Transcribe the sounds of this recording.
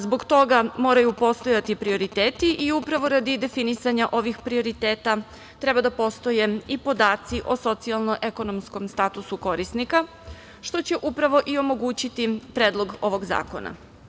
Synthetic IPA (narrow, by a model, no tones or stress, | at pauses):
zbo̞ɡt̪o̞ɡamo̞ːɾajupo̞st̪o̞jat̪ipɾio̞ɾit̪eːt̪iʔiupɾaʋo̞ɾad̪id̪e̞finisaɲaʔo̞ʋixpɾio̞ɾit̪eːt̪a | t̪ɾe̞bad̪apo̞st̪o̞je̞ipo̞d̪aːt̪siʔo̞so̞t̪sialˠno̞ʔe̞ko̞no̞msko̞mst̪aːt̪usuko̞ɾisnika | ʃt̪o̞t͡ɕe̞ʔupɾaʋo̞ʔio̞mo̞ɡuːt͡ɕit̪ipɾeːd̪lˠo̞ɡo̞ʋo̞ɡza̰ːko̞̰na̰